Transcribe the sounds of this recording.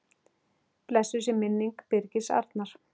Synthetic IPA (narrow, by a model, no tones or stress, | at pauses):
plɛsːʏs̬ɛmɪnːiŋkpɪɾcɪsa̰ɾt̪naɾ̥